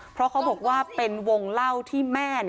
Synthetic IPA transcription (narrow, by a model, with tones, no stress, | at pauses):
pʰɾɔ˦˥kʰa˨˦˥wbɔː˨˩k̚waː˥˩pe˧nwo˧ŋla˥˩wt̪ʰiː˥˩mɛː˥˩ni˧˩